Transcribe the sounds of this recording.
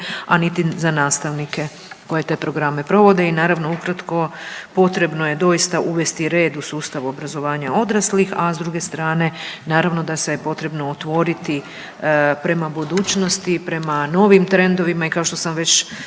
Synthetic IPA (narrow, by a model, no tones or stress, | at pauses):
anit̪izanaːst̪aʋnike̞ | ko̞je̞t̪e̞ːpɾo̞ɡɾame̞pɾo̞ʋo̞d̪e̞inaːɾaʋnoukɾat̪ko̞po̞t̪ɾe̞bnoje̞d̪o̞ist̪aʔuʋe̞st̪iɾe̞ːd̪usuːst̪aʋobɾazo̞ʋaːɲao̞d̪ɾaslixazd̪ɾuɡe̞st̪ɾaːne̞naːɾaʋno̞d̪asejpo̞t̪ɾe̞bno̞ːt̪ʋo̞ɾit̪i | pɾe̞mabud̪uːt͡ɕno̞st̪ipɾe̞mano̞ʋimt̪ɾe̞nd̪o̞ʋimaikaoʃt̪o̞samʋe̞t͡ɕ